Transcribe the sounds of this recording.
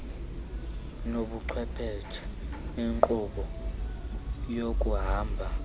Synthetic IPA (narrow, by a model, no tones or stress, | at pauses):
noɓuǃʰwɛpʰɛ̥t͡ʃʰḁiŋǃʼuɓɔ | jokʼuɦaːmbʱa